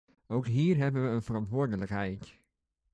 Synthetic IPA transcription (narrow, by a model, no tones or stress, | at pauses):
owkɦiːrɦɛbənʋəənfərɑntʋʊːɹdələkɦɛjt